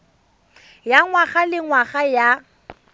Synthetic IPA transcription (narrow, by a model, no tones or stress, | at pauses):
jaŋwaχalɪŋwaχaja